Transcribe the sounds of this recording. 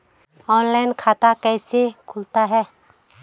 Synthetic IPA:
ɔnlaɪnkʰat̪akəjsekʰʊlt̪aɦɛː

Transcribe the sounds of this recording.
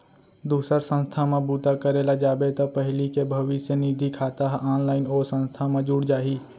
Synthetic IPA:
d̪uːsəɾsə̃nst̪ʰamãbuːt̪akəɾelad͡ʒaːbet̪ɔpəɦɪlikebʱəʋisjəniːd̪ʱikʰaːt̪aɦʔaːnlaːɪnoːɾsə̃nst̪ʰamãd͡ʒuːɽd͡ʒaːɦiː

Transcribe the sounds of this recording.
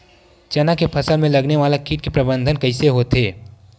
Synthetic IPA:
t͡ʃɐnakepʰɐsəlmẽlɐɡneʋaːlakiːʈ̚kepɾɐbə̃nd̪ʱənkɐɪseɦoːt̪ɦeː

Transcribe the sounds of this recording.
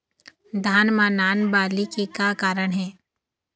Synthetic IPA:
d̪ʱaːnmanaːnbaːlikekakaːɾəɽ̃ɦɛː

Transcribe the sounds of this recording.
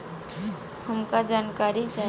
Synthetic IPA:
həmkad͡ʒaːnkaːɾit͡ʃaː

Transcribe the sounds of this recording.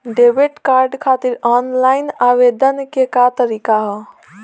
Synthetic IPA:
ɖebeʈkaɾɖkʰat̪iɾɔnlaɪnaʋed̪ənkekat̪əɾikaɦɔ

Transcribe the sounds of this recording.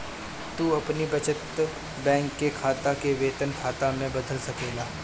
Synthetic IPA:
t̪uːɐpnibɐt͡ʃət̪ | bɛ̃ːŋkːekʰaːt̪akeʋeːt̪ənkʰaːt̪amẽbɐd̪ʱəlsɐkeːlaː

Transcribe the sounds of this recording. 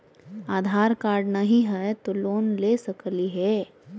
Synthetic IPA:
aːd̪ʱaːɾkaːɾɖnɐɦiɦɛt̪oloːnleːsɐkliɦɛː

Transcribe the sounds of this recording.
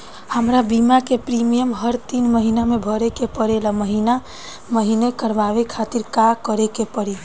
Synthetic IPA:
həmɾabimakepɾimijəmɦəɾt̪inməɦinamebʱəɾekepəɾeləməɦina | məɦinekəɾbaʋekʰat̪iɾkakəɾekepəɽi

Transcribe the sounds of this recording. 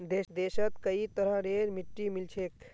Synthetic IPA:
d̪eːsd̪eʃət̪kəit̪əɾəɖeɾmiʈːimilt͡ʃʰek

